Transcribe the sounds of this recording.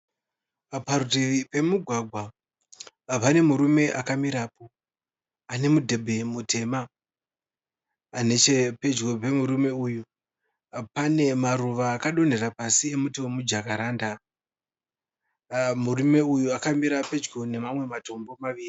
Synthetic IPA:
parutiʋipe̞muɡʱwaɡʱwa | pane̞muɾume̞ʔakamiɾaːpo̞ | ane̞mudʱe̞bʱe̞mutʰe̞ːma | ne̞t͡ʃepe̞d͡ʒɡope̞muɾume̞uːju | pane̞maruʋaːkaɗo̞n̤e̞ɾapasie̞mutiwe̞mud͡ʒakaɾaːnda | murume̞ujuakamiɾape̞d͡ʒɡone̞mamwe̞mato̞mbo̞maʋiːri

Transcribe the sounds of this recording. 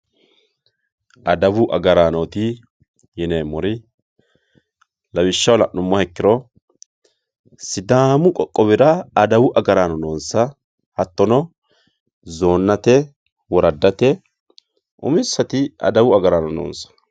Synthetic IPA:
ʔɐd̪ɐwʊʔɐɡɐɾaːnɔt̪ɪ | jɛnejmːɔɾɪ | lɐwɪʃːɐwlɐʔnʊmːɔhɛkːɪɾɔ | sɪd̪aːmʊkʼɔkʼːɔβɪɾɐːd̪ɐwʊʔɐɡɐɾaːnɔnoːnsɐ | hɐt̪ːɔnɔ | zoːnːɐt̪ɛ | wɔɾɐd̪ːɐt̪ɛ | ʔʊ̰mɪsːɐt̪ɪɐ̰d̪ɐwʊɐɡɐɾaːnɔno̰ːnsɐ̥

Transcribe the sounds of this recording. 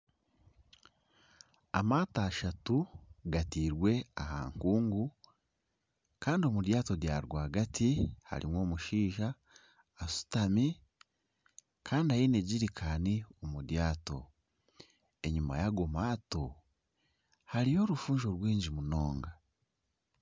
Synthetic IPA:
a̰maːtaːʃatuɡatiːɾwe̞aha̰ːŋkuːŋɡu | kaːndio̞mudjaːto̞dja̰ɾɡwaːɡatiha̰ɾḭmwo̞ːmuʃiːʒaː | su̥tami | kʰaːndiajine̞ɟiɾikʰaniomudjaːto̞̰ | e̞ɲuma̰jaɡo̞maːto̞ | haɾijo̞ɾufuːɲʒo̞ɾwiːɲɟimunoːŋɡa

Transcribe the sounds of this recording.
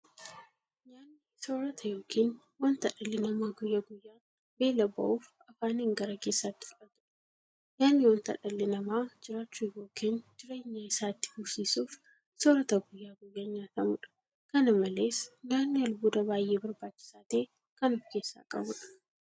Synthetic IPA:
ɲaːnːɪso̞ːɾɐt̪ʰɐjo̞ːkʰiːn | wɐnt̪ɐᶑɐlːɪnɐmaːɡʊjːɐɡʊjːaː | be̞ːlɐbɐ̰ʔuːf | ɐfaːneːŋɡɐɾɐke̞ːsːaːt̪ːɪ̥fʊᶑɐt̪ʊᶑɐ̥ | ɲaːnːɪwɐnt̪ɐ̰ᶑɐlːɪnɐmaːd͡ʒɪɾaːt͡ʃːujo̞ːkʰiːnd͡ʒɪɾe̞ːɲːɐɪsaːt̪ːɪ̥bʊsiːsuːf | soːɾɐt̪ɐɡʊjːaːɡʊjːaːɲaːt̪ɐmʊᶑɐ̥ | kɐnɐmɐleːsɲaːnːɪɐlbuːd̪ɐbaːjʔeːbɐɾbaːt͡ʃːɪ̥saːt̪e̞ː | kɐnɔfke̞ːsːa̰ːkʼɐ̰bʊᶑɐ̥

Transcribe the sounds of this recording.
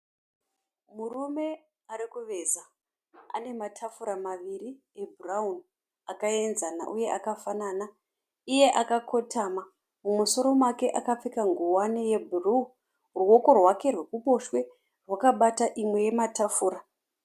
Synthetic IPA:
murume̞ | aɾikuʋe̞za | a̰ne̞matʰafuɾamaʋiri | ebʱuraun | akae̞nzana̰ʔuje̞ʔakafanana | ije̞ʔakakʰo̞tʰama | mumuso̞ɾo̞make̞ʔakap͡fikaŋɡuwaneje̞bʱuru | ruwo̞ko̞rwake̞rwe̞kuɓo̞ʃwe̞ | rwakaɓataʔimwe̞je̞matafuːɾa

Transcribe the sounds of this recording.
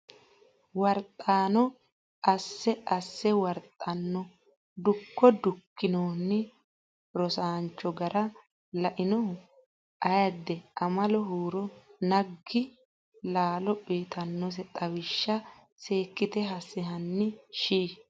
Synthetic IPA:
wɐɾt̪ʼːaːnɔ | ʔɐsːɛɐsːɛwɐɾt̪ʼːɐnːɔ | d̪ʊkːɔd̪ʊkːɪnoːnːɪ | ɾɔsaːnt͡ʃːɔɡɐɾɐ | lɐʔɪnɔ | ʔɐjɐd̪ːɛɐmɐlɔɦuːɾɔnɐɡːɪ | laːlɔpiːt̪ʰɐnːɔs̬ɛt̪ʼɐwɪʃːɐ | seːkːɪt̪ɛɦɐsːɪɦɐnːɪʃiː

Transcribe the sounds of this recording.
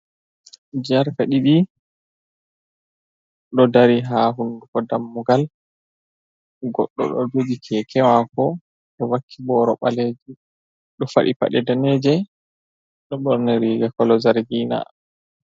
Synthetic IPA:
d͡ʒaɾkaɗiɗi | ɗɔdaɾiɦaːɦundukɔdamːuɡal | ɡɔ̰ɗːɔ̰ɗɔ̰d͡ʒod͡ʒikʰɛkʰɛwakɔ | ɗɔwakʰːibɔːɾɔɓaleːd͡ʒi | ɗɔfa̰ɗipa̰ɗɛdaneːd͡ʒɛ | ɗɔɓɔɾnɛɾiːɡakɔlɔzaɾɡiːna̰

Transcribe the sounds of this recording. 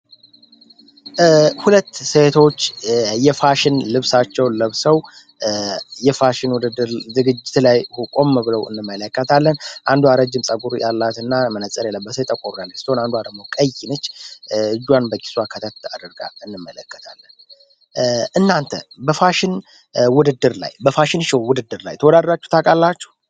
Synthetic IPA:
hulət̪ːset̪ʰo̞t͡ʃːjɛfaʃɪnlɨβsat͡ʃːɛwləβsəw | jɛfaʃɪnwud̪ɨd̪ːɨɾzɨɡɨd͡ʒːɪt̪lajhukʼoməβɨləwɨ̰nːɨmːələkːət̪ʰalːənʔand̪uwaɾəd͡ʒːɪmsʼəɡuɾjʔalːat̪ɨnːamənət͡sʼːəɾjɛlːəbːəsəjt̪ʼəkʼːoɾujalːəst̪onand̪uhad̪əɡmokʼəjːɪnət͡ʃːɨd͡ʒːwanbəki̥swakʰət̪ʰət̪a̰d̪əɾɡa̰ɨnːɨmːələkːə̥t̪ʰalːən | ʔɨnːant̪ʰə̰bəfaʃɪn | wʊd̪ɨd̪ːɨɾla̰jbəfaʃɪnʃɛwwʊd̪ɨd̪ːɨɾla̰jt̪ʰəwɔd̪ad̪lat͡ʃːu̥ht̪ʰakʼalːat͡ʃːɛ̥h

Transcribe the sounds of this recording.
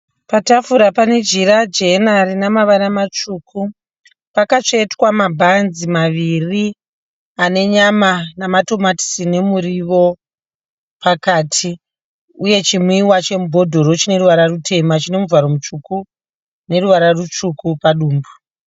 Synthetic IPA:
patafuɾapane̞d͡ʒiɾad͡ʒe̞naɾinamaʋanamat͡ʃuːku | pakat͡ʂeetwamabʱanzimaʋiri | ane̞ɲamanamato̞mati̥sine̞muɾiʋo̞ | pakaːtʰi | uje̞t͡ʃimwiwat͡ʃe̞mubʱo̞dʱo̞ɾo̞t͡ʃine̞ɾuʋaɾarutʰe̞mat͡ʃine̞muvaɾo̞mut͡ʂuku | ne̞ruʋaɾarut͡ʂukupaɗuːmbu

